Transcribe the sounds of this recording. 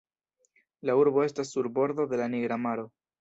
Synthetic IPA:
lauɾbo̞e̞stasːuɾbo̞ɾdo̞d̪e̞laniɡɾamaɾo̞

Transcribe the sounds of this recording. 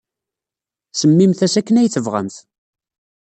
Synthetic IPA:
səmːimθæsækːənæjθəvʁə̰mθ

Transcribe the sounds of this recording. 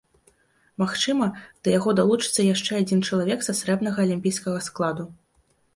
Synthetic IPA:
maxt͡ʂɨmɐd̪̥ɐjaɣɔd̪alˠut͡ʂɨ̥t̪sːɐjaʂt͡ʂɛad͡zʲint͡ʂɐlˠavʲɛksasɾɛbnɐɣɐːlʲimʲpʲijskɐɣɐsklˠad̪u

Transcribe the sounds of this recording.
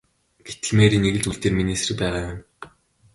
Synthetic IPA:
ɡ̥et̪ɘ̆ɮmeːɾiːneɣɘ̆ɮt͡ɕuɮt̪eːrminisrɘ̆k̚pæːʁaːwʊn

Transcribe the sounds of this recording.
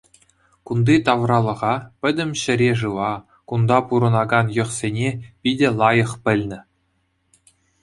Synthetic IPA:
kund̪it̪ɑʋrɑlˠɤ̆ʁɑpʲɘ̆dʲɘ̆mʲɕɘ̆ɾʲeʐɯʋɑ | kund̪ɑpuɾɤ̆nɑɡɑnjɤ̆χsʲenʲepʲidʲɘ̆lˠɑjɤ̆χpʲɘ̆lʲnʲɘ̆

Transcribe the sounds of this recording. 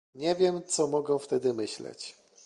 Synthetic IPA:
ɲɛvʲjɛmt̪sɔmɔɡɛ̃ft̪ɛd̪ɘmɘɕlɛ̰t͡ɕ

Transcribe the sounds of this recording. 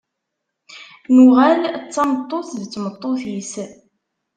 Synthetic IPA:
nʊʁælt͡sːɑmət̪ˤːoθðt͡sːmət̪ˤːoθis

